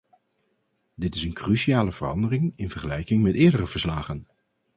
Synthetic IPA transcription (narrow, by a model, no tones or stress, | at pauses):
dɪtɪsənkrysiaːləv̥ərɑ̰ndərɪŋɪnvəɹχəlɛjkɪŋmɛtɪːɹdərəvəɹslaːχən